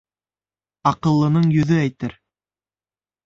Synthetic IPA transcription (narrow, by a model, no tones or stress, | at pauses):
ɑqɤ̆lˠːɤ̆nɤɴjɵ̆ðɵæjt̪ɘɾ